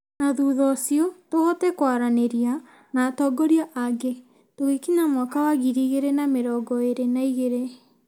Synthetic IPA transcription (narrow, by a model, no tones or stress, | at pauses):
naðuðɔsiɔtohɔtɛkwaɾaneɾia | naːtɔɡɔɾiaʔaɡe | toɣekiɲamwakawaɣiɾiɣeɾenameɾɔːɡɔeɾenaiɣeɾe